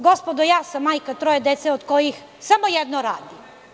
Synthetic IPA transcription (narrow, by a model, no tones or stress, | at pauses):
ɡospod̪ojaːsamːaːjkat̪ɾojed̪et̪seod̪kojix | samojed̪noɾaːd̪i